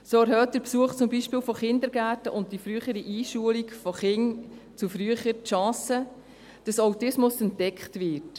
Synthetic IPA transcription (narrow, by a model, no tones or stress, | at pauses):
soːæɾhœːt̚d̥əɾpsuəχt͡sʊmbiʃpɪːlfɔχɪndəɾɡæːtəʔʊnt̚d̥ifɾyəχəɾiʔiːʃuəlikfɔχɪnt͡sufɾyəχəɾtʃɑ̃ːsə | d̥ɑsawtɪsmʊsɛntdɛkχtʋɪt